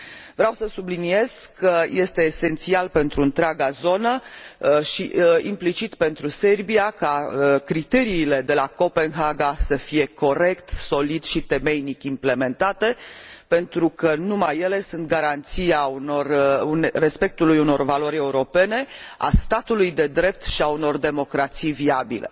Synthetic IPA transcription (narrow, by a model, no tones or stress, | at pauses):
vɾeawsəsublinie̞z̥kːəje̞st̪e̞ːse̞nt̪sialpe̞nt̪ɾuɨnt̪ɾeaɡazo̞nə | ʃiḭmplit͡ʃit̪pe̞nt̪ɾuse̞rbiakakɾit̪e̞ɾiːle̞d̪e̞lako̞pe̞nɦaɡasəfije̞ko̞ɾe̞kt̪so̞lid̪ʃit̪e̞me̞jnikʲimple̞me̞nt̪at̪e̞pe̞nt̪ɾukənumajːe̞le̞sunt̪̚ɡaɾant̪siaunorunre̞spe̞k̚t̪ulujuno̞rvalo̞ɾʲe̞uɾo̞pe̞ne̞a̰st̪at̪ulujd̪e̞d̪ɾe̞p̚t̪ʃiauno̞rd̪e̞mo̞kɾat̪sijviabḭle̞̰